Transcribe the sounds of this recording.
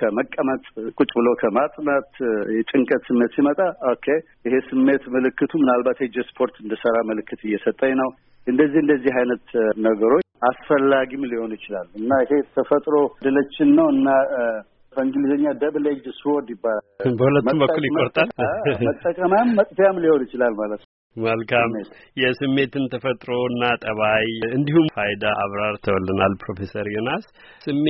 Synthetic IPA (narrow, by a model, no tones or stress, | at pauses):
kʰəməkʼːəmət̪ʼkʼut͡ʃʼbɨlo̞kʰəmat̪ʼnat̪jɛt͡ʃʼɨŋkʼət̪sɨmːe̞t̪simət̪ʼaokʰːe | ʔɪɦe̞sɨmːe̞t̪məlɨkːɨt̪ʰumɨnalbat̪jɛd͡ʒespʰo̞ɾt̪ɨnd̪əsəɾaməlɨkːɨt̪ʰɨjːɛsət̪ʼːəɲnəw | ʔɨnd̪əzːihɨnd̪əzːiɦajnət̪nəɡəɾo̞asfəlːaɡimliho̞njɪt͡ʃɪlalɨnːaɪɦe̞t̪ʰəfət̪ʼɾod̪ɨlət͡ʃːɪnːəwɨnːa | fəŋɡɨlizəɲːad̪əβled͡ʒswod̪ɪbːalalbəhulət̪mumbəkkːuljɪkʼːoɾt̪ʼalmət̪ʼːəkʼəmamːət̪ʼfjamliho̞nit͡ʃɪlalmalət̪nəw | məlkʰam | jɛsɨmːe̞t̪ɨnt̪ʰəfət̪ʼɾo̞ɨnːat̪ʼəβajɨnd̪ihumfajd̪aʔa̰βɾaɾt̪ʰəwɔlːənalpʰɾo̞fe̞səɾjonas | sɨmːe